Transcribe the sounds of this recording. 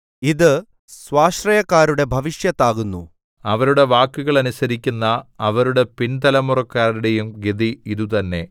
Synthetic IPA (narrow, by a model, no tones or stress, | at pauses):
iðɨ | sʋaːʂrɐjɐkːaːɾuɽe̞bʱɐʋiʂjɐt̪ːaːɣunːṵ | ɐʋɐɾuɽe̞ʋaːkːuɣɐɭɐnusɐɾikʲːunːɐːʋɐɾuɽe̞pint̪ɐlɐmurɐkːaːɾuɽe̞jumɡed̪iiðut̪ɐnːe̞